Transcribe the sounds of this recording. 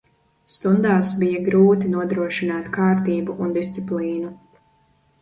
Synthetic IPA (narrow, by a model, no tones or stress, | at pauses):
st̪und̪aːsbijɐɡɾuːt̪inuɔd̪ɾuɔʃinaːt̪kaːɾt̪iːbuʔund̪ist̪sipliːnu